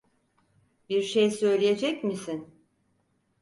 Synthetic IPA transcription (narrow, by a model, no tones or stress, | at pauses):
biɾʃejsø̞jlʲije̞d͡ʒɛcmisin